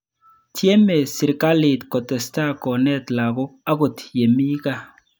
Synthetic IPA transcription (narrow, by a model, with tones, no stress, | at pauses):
tʰje˦me˨sɪ˨ɾka˦lɪ˨tkɔ˨tɛ˨sta˦kɔ˨nɛ˦tla˨kʊ˦a˦kʊ˨tje˨mi˦ka˦